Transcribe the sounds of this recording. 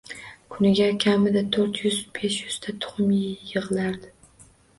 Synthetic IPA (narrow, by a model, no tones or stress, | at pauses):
kʰʊnɪɡʲakʲʰamɪd̪at̪ʰoɾt̪jʏzbe̞ʃjʊz̥t̪ʰat̪ʰʊ̥χmijɨʁɨlaɾd̪ɪ